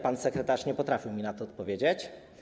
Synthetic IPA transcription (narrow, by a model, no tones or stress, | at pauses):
pansɛkɾɛt̪aʂɲɛpɔt̪ɾafʲiwmʲinat̪ɔːt̪̚pɔvʲjed͡ʑet͡ɕ